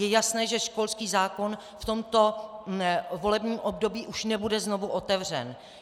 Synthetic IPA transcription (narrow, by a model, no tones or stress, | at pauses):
jɛjasnɛːʒɛʃko̞lskiːzaːko̞n | ft̪o̞mt̪o̞ | vo̞lɛbɲiːmʔo̞bdo̞biːʔuʃnɛbudɛzno̞vuʔo̞t̪ɛvr̝ɛ̰n